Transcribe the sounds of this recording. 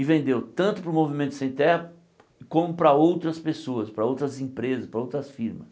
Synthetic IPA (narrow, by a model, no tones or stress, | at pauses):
ɪvẽnd̪ewt̪ɐ̃nt̪ʊpɾʊmovimẽt̪ʊsẽt̪ɛhɐ | kõmʊpɾɐowt̪ɾɐspesoɐspɾɐowt̪ɾɐzĩpɾezɐspɾɐowt̪ɾɐsfiɾmɐs